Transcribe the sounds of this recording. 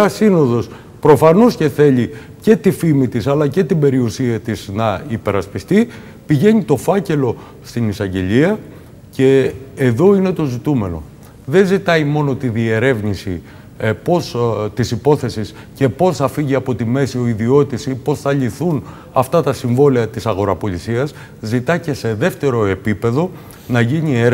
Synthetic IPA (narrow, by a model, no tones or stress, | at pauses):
ɐsino̞ðo̞s | pɾo̞fɐno̞sce̞θe̞ʎi | ce̞t̪ifimit̪isɐlɐce̞t̪ibe̞ɾiusiɐt̪iznɐipe̞ɾɐspist̪i | piʝe̞ɲit̪o̞fɐce̞lo̞ | st̪inisɐɲɟe̞ʎiɐ | ce̞ːðo̞ine̞t̪o̞zit̪ume̞no̞̰ | ðe̞nzit̪ɐimo̞no̞t̪iðie̞ɾe̞vnisi | po̞st̪isipo̞θe̞sis | ce̞po̞sɐfiʝiɐpo̞t̪ime̞sio̞iðio̞t̪isipo̞sθɐʎiθun | ɐft̪ɐt̪ɐsiɱvo̞liɐt̪isɐɣo̞ɾɐpo̞ʎisiɐs | zit̪ɐce̞se̞ðe̞ft̪e̞ɾo̞e̞pipe̞ðo̞ | nɐʝiɲie